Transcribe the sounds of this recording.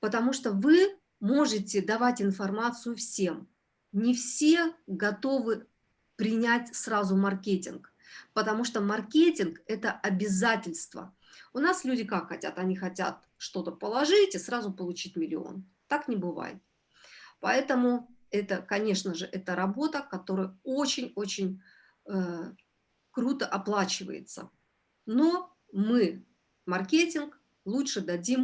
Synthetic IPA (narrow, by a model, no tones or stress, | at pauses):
pət̪ɐmuʂt̪ovɨ | mo̞ʐɨtʲɪd̪ɐvatʲɪnfɐrmat̪sɨjʊfsʲe̞m | nʲɪfsʲe̞ɡɐt̪o̞vɨ | pɾʲɪnʲætʲsrazʊmɐrkʲetʲɪnk | pət̪ɐmuʂt̪omɐrkʲetʲɪnkɛt̪əʔɐbʲɪzatʲɪlʲst̪və̰ | ʊnaslʲʉdʲɪkakxɐtʲa̰t̪ɐnʲixɐtʲa̰t̪̚ | ʂt̪o̞t̪əpəlˠɐʐɨtʲisrazʊpəlˠʊt͡ɕitʲmʲɪlʲɪ̰o̞̰n | t̪ːaknʲɪbɨva̰jɪ̰t̪̚ | pɐɛt̪əmʊɛt̪əkɐnʲe̞ʂnəʐɨʔɛt̪əɾɐbo̞t̪əkɐt̪o̞ɾəjəot͡ɕɪnʲo̞t͡ɕɪnʲ | ə | kɾut̪əʔɐplˠat͡ɕɪvə̰jɪ̰t̪sə̰ | no̞ | mɨ | mɐrkʲetʲɪnk | lˠutʂɨd̪ɐdʲim